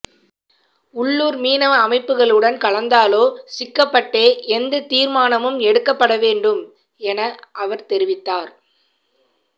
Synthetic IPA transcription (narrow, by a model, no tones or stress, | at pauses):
ʊɭːuːɾmiːnɐɐmɐɪpːɯɣɐɭɯɽɐnkɐɭɐnd̪aːloːsɪkːɐpːɐʈːeːʔɛnd̪ɯt̪iːɾmaːnɐmɯmɛɽɯkːɐpːɐɽɐʋeːɳɖɯm | ɛnɐʔɐʋɐɾt̪ɛɾɪʋɪt̪ːaːɾ